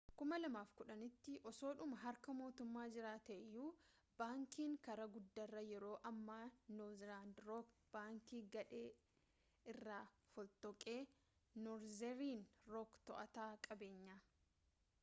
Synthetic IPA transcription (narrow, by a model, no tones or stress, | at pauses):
kʊmɐlɐmaːfkʊᶑɐnɪt̪ːɪʔɔso̞ːᶑʊmɐɦɐɾkɐmo̞ːt̪ʊmːaːd͡ʒɪɾaːt̪ɐʔɛjːuːb̥aːŋkiːŋkɐɾɐɡʊd̪ːɐrːɐjɛɾo̞ːʔɐmːaːnɔzlaːnd̪ɾɔːkb̥aːŋkiːɡɐᶑeː | ɪrːaː | fɔlt̪ɔkʼe̞ː | nɔɾzɛɾiːnɾɔːkt̪ɔʔɐt̪aːkʼɐbe̞ːɲːaː